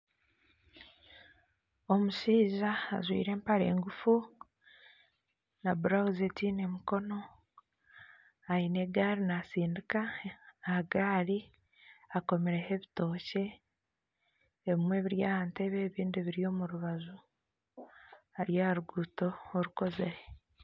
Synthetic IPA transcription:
o̞muʃiːʒa̰ːzwḭːɾe̞ːmpaɾe̞̰ːŋɡufu | nabuɾawuzetine̞muko̞no̞ | aine̞ɡaːɾinasiːndikaaɡaːɾi | ako̞meɾe̞he̞βito̞ːce̞ | βimwe̞ːβiɾjaːhante̞βe̞ːβiːndiβiɾijo̞ːmuɾuβazu | aɾjaɾuɡuto̞ːɾuko̞zeɾe

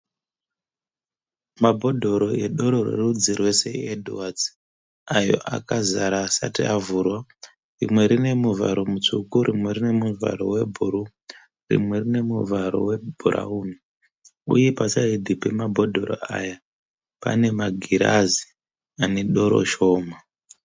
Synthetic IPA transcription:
mabʱo̞dʱo̞ɾo̞eɗo̞ɾo̞rḛrud͡zirwese̞̰edʱuwat͡s | ajo̞̰ʔa̰kazaɾaːsatiʔavurwa | rimwe̞ɾine̞muva̰ɾo̞mut͡ʂukuɾʔimwe̞rine̞muvʱa̰ɾo̞̰we̞bʱuɾu | rḭmwe̞rine̞muvaɾo̞̰we̞bʱuɾa̰uːni | ṵje̞pasaidʱipe̞mabʱo̞dʱoɾo̰aja | pa̰ne̞maɡʱiɾazi | ane̞ɗo̞ɾo̞̰ʃo̞ːma

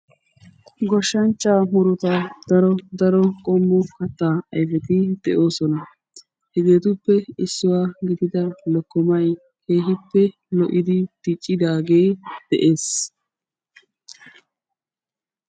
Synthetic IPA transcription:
ɡɔʃːɐnt͡ʃːaːmʊɾʊt̪ɐd̪̥ɐɾɔd̪ɐɾɔkʼɔmːʊkɐt̪ːaːɐjfɛt̪ɪd̪̥ɛʔo̞ːsɔnɐ | hɛɡe̞ːt̪ʊpːɛɪsːɪwaːɡɪd̪ɪd̪ɐlɔkːɔmɐj | ke̞ːɦɪpːɛ | lɔʔɪd̪ɪt̪ɪt͡ʃʼːɪd̪aːɡeːd̪̥ɛʔe̞ːs

